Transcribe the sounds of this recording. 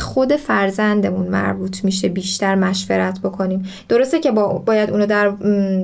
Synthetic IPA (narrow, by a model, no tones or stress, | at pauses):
xo̞d̪e̞fæɾzænd̪e̞munmæ̰ɾbuːt̪ʰmiʃebiːʃt̪ʰæɾmæʃveɾæt̪ʰbo̞kʰo̞niːmd̪̥o̞ɾost̪ecʰe̞bɒːbɒːjæd̪unɒːd̪æɾ